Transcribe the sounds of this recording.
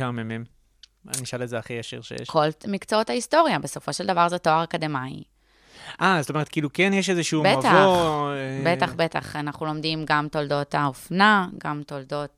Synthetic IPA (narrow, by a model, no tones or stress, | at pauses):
amemem | a̰niʃalezeaχijaʃḭʁʃḛjḛʃkʰo̞lmikt͡soothaisto̞ʁjabe̞so̞fo̞ʃeld̪avaʁzetoaʁakad̪emaj | ʔazot̪ome̞et̪̚kiːlukenjeʃ̬ezeʃuːbeatvaobet̪aχbeta̰χanaχulo̞md̪imɡamto̞ldo̞taofnaɡamto̞ldo̞t̚